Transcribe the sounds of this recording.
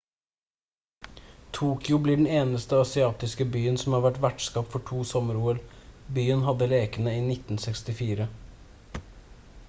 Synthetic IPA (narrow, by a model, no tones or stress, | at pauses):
t̪ʰuːkjʊbliːɖɳ̩eːnəst̪əɑsɪɑːt̪ɪskəbyːənsɔmhɑːɾʋæʈʋæʈskɑːpfɔʈʰuːsɔməɾuːəɾbyːənɦɑd̪ːəleːkənəiːnɪt̪n̩sɛkst̪ɪfiːɾə